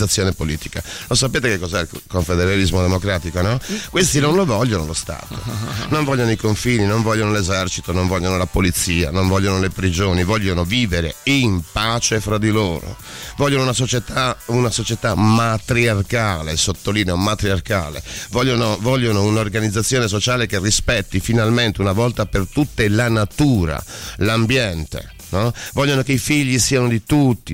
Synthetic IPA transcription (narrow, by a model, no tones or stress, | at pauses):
at̪sːjoːnepoliːt̪i̥ka̰losapeːt̪ekekːɔzɛilkoɱfed̪eɾalizmod̪emokɾaːt̪ikonɔkwest̪inonlovɔʎːonolost̪a̰ːt̪ʰo̰noɱvɔʎjːonoikoɱfiːninoɱvɔʎːonolezɛrt͡ʃit̪onõɱvɔʎːonolapolit̪siːa̰noɱvɔʎːonolepɾid͡ʒoːnivɔʎːonoviːveɾeimpaːt͡ʃefɾad̪ilo̰ːɾo̰ | vɔʎːonounasot͡ʃet̪aunasot͡ʃet̪amat̪ɾiarkaːlesot̪ːoliːneomat̪ɾiarka̰ːlḛvɔʎːonovɔʎːonounorɡanid̪zːat̪sːjoːnes̬ot͡ʃaːlekerːispɛt̪ːifinalment̪eunavɔlt̪apert̪ut̪ːelanat̪uːɾa̰lambjɛnt̪ḛ | nɔvɔʎːonokeifiʎːisiːanod̪it̪ut̪ːi